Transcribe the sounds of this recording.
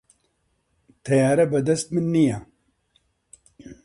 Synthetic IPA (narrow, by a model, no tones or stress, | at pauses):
t̪ʰɛjaːɾɛbɛd̪ɛst̪̚mɨnːija